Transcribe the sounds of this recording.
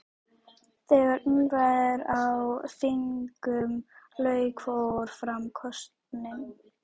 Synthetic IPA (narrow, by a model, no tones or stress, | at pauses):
θɛɣaɾnuːvaðɪɾawfɪŋkʏmlœːɥkʰvoɾ̥fɾamkʰɔst̪nɪm